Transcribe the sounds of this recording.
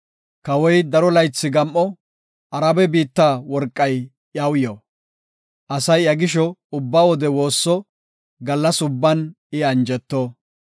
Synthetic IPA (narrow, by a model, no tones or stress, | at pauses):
kɐwɔjd̪ɐɾɔlɐjt͡sːɪɡɐmʔːɔ | ɐɾɐbɛbiːt̪ːaːwɔɾkʼːɐj | jɐwjo | ʔɐsɐjɐɡɪʃ̬ɔʊbːawɔd̪ɛwo̞ːsːɔ | ɡɐlːɐsʊbːɐn | ɪɐnd͡ʒɛt̪ːo